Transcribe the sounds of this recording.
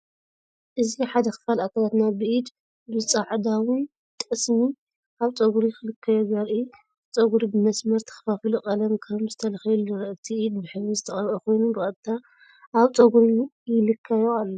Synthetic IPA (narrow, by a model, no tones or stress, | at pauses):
ʔɨziħad̪ɐxɨ̥falʔakʰalat̪nabɨʔid̪ | bɨt͡sʼaʕd̪awɨn | t̪ʼɨsmi | ʔaβt͡sʼɐɡuɾixɨlɨkʰːɐjɛɡɐɾʔi | t͡sʼɐɡuɾibɨmɐsmɐɾt̪ʰɨ̥xɐ̥fafilukʼɐlɐmkʰɐmzɨt̪ʰɐlɐxilɨɾɐʔɨt̪ʰiʔid̪bɨħɨβizɨt̪ʰɐχʼɐɾʔɐko̞jnubɨɐbt̪ʰːa | ʔaβt͡sʼɐɡuɾijɪlɨkʰːɐjoalːo